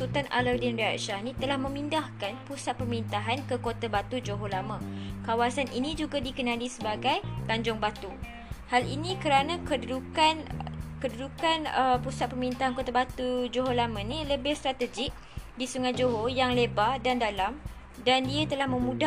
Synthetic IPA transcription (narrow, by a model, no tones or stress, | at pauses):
sut̪anʔa̰lədindaa̰ʔʃanĩt̪əlahmə̃mindahkanpusat̪̚pəməɾint̪aɦankəkot̪abat̪ud͡ʒoɦolamãkawasaninĩd͡ʒuɡadikənãlisəbaɡajt̪aɲd͡ʒʊŋbat̪u | halḭnĩkəɾanãkəukankədədukanəpusat̪̚pəmɾint̪aɦankot̪abat̪ud͡ʒoɦolamãnĩləbɪhst̪ɾat̪əd͡ʒɪk̚ | disuŋat̪d͡ʒoɦojaŋlebadandalam | dandiat̪əlahmə̃mũda